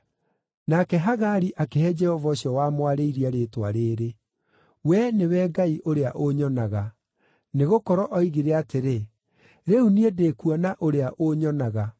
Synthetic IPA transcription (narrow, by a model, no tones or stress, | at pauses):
nakɛɦaɣaɾiʔakehɛd͡ʒɛhɔvaɕiɔwamwaɾeiɾiaɾetwaɾeɾe | wɛnewɛɡaiʔoɾeaʔoɲɔnaɣa | neɣokɔɾɔʔɔiɣiɾeateɾe | ɾeuniedekuɔnaʔoɾeaʔoɲɔnaɣa